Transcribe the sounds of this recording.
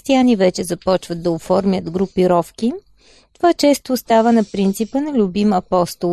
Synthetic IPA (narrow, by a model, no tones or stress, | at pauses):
st̪ianivɛt͡ʃɛzɐpɔt͡ʃvəd̪̚d̪ɐofɔɾmjət̪ɡɾʊpiɾɔfki | t̪ovat͡ʃɛst̪oːst̪avənɐpɾint̪sipənɐlʲʊbimɐpɔst̪o